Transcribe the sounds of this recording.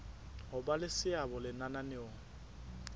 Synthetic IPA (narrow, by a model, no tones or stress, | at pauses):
ɦʊbalɪsɪabɔlɪnananɪoŋ̩